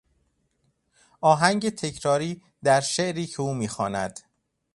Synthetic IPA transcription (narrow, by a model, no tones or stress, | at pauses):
ʔɒːɦæŋɟe̞t̪ʰe̞cʰɾɒːɾiː | d̪æɾʃeʔɾiːcʰeuːmiːxɒːnæ̰d̪̥